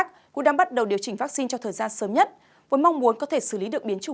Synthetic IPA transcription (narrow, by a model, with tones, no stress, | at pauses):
k̚ | kʊ̰˧˥ɗaː˧ŋɓa˦˥t̚ɗə˨˩wɗi˨˩əwt͡ɕï˩ŋ̟va˦˥k̚si˧nt͡ɕɔ˧ŋ͡mt̪ʰəː˨˩jzaː˧nsəː˨˦mɲə˦˥t̚ | vu˨˦nma˧wŋ͡mmu˨˦nkɔ˨˦t̪ʰe˧˩sɨ˧˩li˨˦ɗɨ˨˩ək̚ɓi˨˦ənt͡ɕʊ˧˩